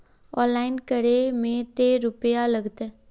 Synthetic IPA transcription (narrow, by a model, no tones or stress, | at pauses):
ɔːnllaːɪnkəɾemẽt̪eɾʊpjaləɡt̪eː